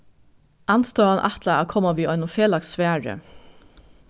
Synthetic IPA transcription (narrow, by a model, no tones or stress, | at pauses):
ʔɑnst̪oːɑnʔɑt̪lɑɑ̰ːkʰɔmɑʋiːɔʏnʊfeːlɑksʋæːɹə̰